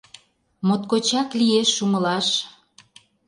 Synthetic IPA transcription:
mot̪̚kot͡ɕɑklieʃːumə̆lɑʃ

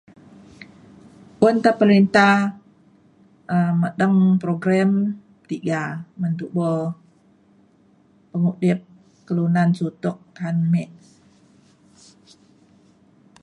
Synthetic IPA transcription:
ʔʊnt̪apəlint̪a | əmədəŋpɾoɡɾɛm | t̪iɡamənt̪uʔbə | pəŋudɪp̚ | kəlunansut̪ʊk̚t̪anmɛʔ

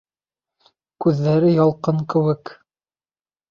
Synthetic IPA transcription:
kʉðːæɾɘjɑlˠqɤŋkɘ̆wɘk

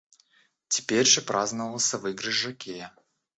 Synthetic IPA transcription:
tʲɪ̥pʲeɾʲʐɨpɾʔaznəvəlˠsʲəvɨɡɾɨʐɐkʲʰejə

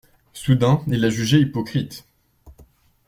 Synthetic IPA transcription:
sud̪ɛ̃ilaʒyʒeipɔkχit̪

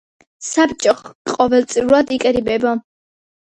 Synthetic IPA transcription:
sapt͡ʃʼɔχqʼɔvɛlt̪sʼiuɾad̪ikʼɾibɛbɔ

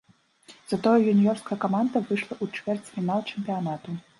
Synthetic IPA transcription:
z̥ɐt̪ɔjɐjunʲijɔrskɐjɐkamand̪ɐvɨʂlˠɐʔut͡ʂvʲɛrt͡sʲfʲinalˠt͡ʂɛmʲpʲijanat̪u

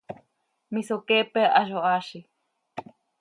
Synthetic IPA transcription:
misokepeʔaʒoaʃi

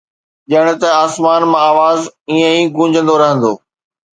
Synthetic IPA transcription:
ʄɐəɽ̃ʊ̆t̪ɐaːsmaːnmãaːʋaːziːə̃ĩɡũːɲd͡ʑʱə̃n̆d̪oɾɐɦə̃nd̪oː

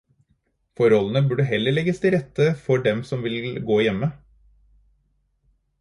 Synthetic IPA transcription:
fɔɾɔlən̩əbʉɖəɦɛlːəɭɛɡəst̪ʰɪɾɛt̪əfɔɖɛmsɔmʋɪlɡoːjɛmːə

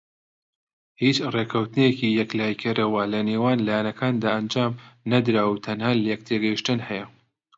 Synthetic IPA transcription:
hiːt͡ʃrekʰɐwt̪ɨnekijɛklaːjkʰɐɾɐwalɐneːwaːnlaːjanɐkʰaːnd̪aːʔɐnd͡ʒaːmnɐd̪ɾaːwut̪ʰɐnhaːljɛk̚t̪ʰeɡɐjiʃt̪ɨnhɛjɐ

